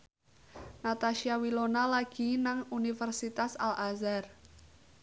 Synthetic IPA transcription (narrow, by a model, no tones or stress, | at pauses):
nat̪aʃiawilonalaɡ̥i̤naŋunifərsit̪asalʔazar